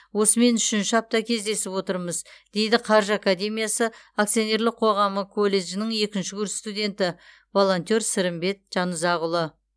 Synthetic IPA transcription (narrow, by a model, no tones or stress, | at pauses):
wo̞səme̞nʏʃɪnʃɪɑp̚t̪ɑkʲʰe̞zd̪e̞sɪpwo̞t̪əɾməzd̪̥e̞jd̪ɪqʰɑɾʒakad̪ʲe̞mijasə | akt̪sijo̞ne̞ɾlɪk̚q̚qʰo̞ʁɑməkʰo̞lːe̞ʒɪnɪŋe̞kʲɪnʃɪkʲʰʏɾst̪ud̪ʲe̞nt̪ɪ | vo̞lˠo̞nʲt̪ʲo̞ɾsɪɾɪmbe̞t̪̚ʒ̥ɑnəzɑʁʊlˠə